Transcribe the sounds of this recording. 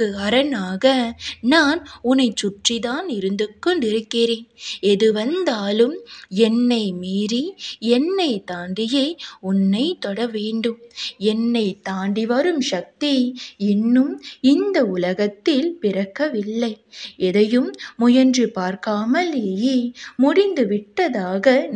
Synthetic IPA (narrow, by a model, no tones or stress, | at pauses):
kɯɐɾɐnaːɣɐnaːnʊnɐɪt͡ʃʊʈriðaːnɪɾɯnd̪ɯkːɔɳɖɪɾɯkːɪɾeːnɛðɯʋɐnd̪aːlɯmɛnːɐɪmiːriɛnːɐɪt̪aːɳɖɪjeːʊnːɐɪt̪ɔɽɐʋeːɳɖɯmɛnːɐɪt̪aːɳɖiʋɐɾɯmʃɐk̚t̪iɪnːɯmɪnd̪ɐʊlɐɣɐt̪ːɪlpɪɾɐkːɐʋɪlːɐɪɛðɐjɯmːʊjɐndrɯpaːɾkaːmɐleːjeːmʊɽɪnd̪ɯʋɪʈːɐðaːɣɐn